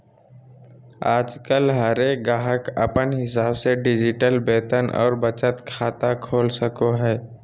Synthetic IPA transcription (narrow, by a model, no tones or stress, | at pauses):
aːd͡ʒkəlɦɐɾeːk̚ɡaːɦəkə̰pənɦɪsaːbseɖɪd͡ʒɪʈəlbeːt̪ənʔɔ̰ːɾbət͡ʃət̪kʰaːt̪akʰoːlsəkoɦɛː